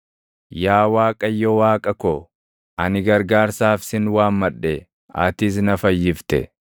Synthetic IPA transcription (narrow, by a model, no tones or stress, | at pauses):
jaːwaːkʼɐjːɔwaːkʼɐkɔ | ʔɐnɪɡɐɾɡaːɾsaːfsɪnwaːmmɐᶑːɛ | ʔɐ̰t̪ɪs̬nɐfɐjːɪft̪ɛ̰